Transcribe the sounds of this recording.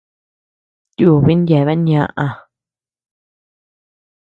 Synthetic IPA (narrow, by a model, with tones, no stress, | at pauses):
t̪ju˧˨βi˦nd̪ʲje˨βe˦njã˧ʔa˧˨